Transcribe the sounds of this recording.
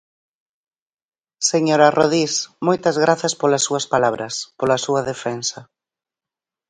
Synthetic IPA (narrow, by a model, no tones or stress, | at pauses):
seɲoɾɐroðismojt̪ɐzɣɾaθɐspolɐsːuɐspalaβɾɐspolɐsuɐðefɛnsɐ